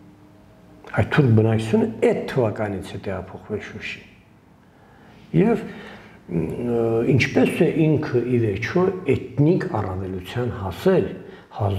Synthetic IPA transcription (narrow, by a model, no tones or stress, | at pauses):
ɑjt̪ʰːuɾk̚bənɑku̥t͡sʰjunəɛt̪ʰːəvɑkɑnit͡sʰɛt̪ɛʁɑpʰɔχvɛlʃuʃi̥ | jɛv | int͡ʃʰpɛsɛʔiŋkʰəivɛɾt͡ʃʰɔɛt̪nikɑrɑvɛlut͡sʰjɑnhɑsɛl | hɑ